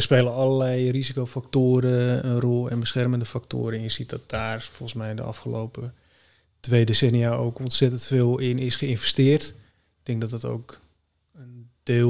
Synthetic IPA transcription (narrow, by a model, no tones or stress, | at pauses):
əspeːlənɑləlɛjrizikowfaktoːɾəənrɔlˠɛ̰nbəsχɛrməndəfak̚to̰ːɾəɪnsitdɔt̚d̥aːrfɔlˠəsmɛjdə̰ɑ̰fχəlowpə | tʋejdesɛniao̰wkɔnsɛtəntfeːlˠɪnɪsχəɪnvɛstɪːrt | k̚tɪŋk̚dɔt̚dɔto̰wk | ənde